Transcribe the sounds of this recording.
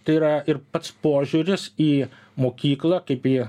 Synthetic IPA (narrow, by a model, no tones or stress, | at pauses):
t̪ɐɪiɾɐɪɾpɐt̪spoːʒʲuːɾʲɪsiː | moːkʲiːklˠɑːkɐɪpiː